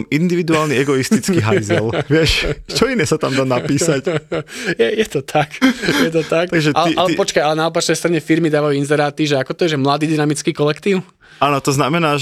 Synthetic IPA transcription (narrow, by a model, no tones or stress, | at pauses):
mind̪iʋid̪uaːlniɛɡɔist̪it͡skiɦajzɛlʋɪɛʃt͡ʃɔinɛsat̪amd̪aːnapiːsac | jɛjɛt̪ɔt̪ʰakjɛt̪ɔt̪ak̪aɡʒɛtalɛialɛpɔt͡ʃkajalɛnaɔpat͡ʃnɛɪjst̪ɾaɲɛfiɾmid̪aːʋajuinzɛɾaːt̪iʒɛakɔt̪ɔjɛʒɛmlad̪iːd̪inamit͡skiːkɔlɛkt̪iːʊ | aːnɔt̪ɔznamɛnaːʒ